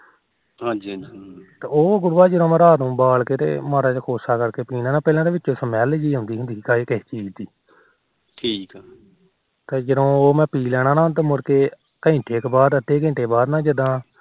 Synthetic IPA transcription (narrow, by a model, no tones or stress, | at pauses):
ɦãd͡ʒiit̪eoːɡʊɾʋaːd͡ʒəd̪õːməɾaːt̪ũːbaːlkeːt̪ḛːmaːɾaːt͡ʃːkʰoːsaːkəɾkeːpiːnãːnãːpɛːlãːd̪eːʋɪt͡ʃːt͡ʃõːsəmɛːld͡ʒiːɦʊ̃ːnd̪iːɦʊnd̪iːkaːeːket͡ʃiːd͡ʒd̪iː | ʈʰiːkː | t̪eːd͡ʒəd̪õːoːmɛ̃ːpiːlɛːɽ̃ãːnãːt̪̬amʊɾkeː | kəɪ̃ɳʈʰeːkːbaːd̪ət̪ːeːkə̃ːɳʈeːbaːd̪nãːd͡ʒəd̪ãː